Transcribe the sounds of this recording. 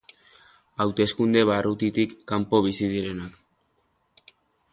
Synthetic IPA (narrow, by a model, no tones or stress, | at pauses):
awt̪e̞skund̪e̞βarut̪it̪ikːampo̞β̞isið̞iɾe̞nak